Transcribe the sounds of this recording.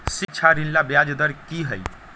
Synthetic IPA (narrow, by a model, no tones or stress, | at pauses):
sikːt͡ʃʰaɾinlabjad͡ʒd̪əɾkiɦəj